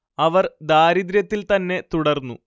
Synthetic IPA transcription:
ɐʋɐrd̪aːɾid̪ɾjɐt̪ːilt̪ɐnːe̞t̪uɽɐrnːṵ

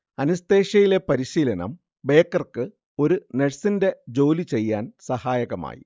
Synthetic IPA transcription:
ɐnust̪e̞ːɕɐjile̞pɐɾiɕiːlɐnɐ̰m | be̞ːkːɐrkɨ | o̞ɾuneɻsinde̞d͡ʑo̞ːlit͡ɕe̞jːaːnsɐhaːjɐɣɐma̰ːjḭ

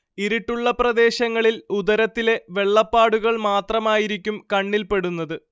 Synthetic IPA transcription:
iɾiʈːuɭːɐprɐd̪e̞ːɕɐŋːɐɭilud̪ɐɾɐt̪ːile̞ʋe̞ɭːɐpːaːɽuɣɐɭmaːt̪rɐmaːjiɾik̬ʲːumkɐɳːilpe̞ɽunːɐðɨ

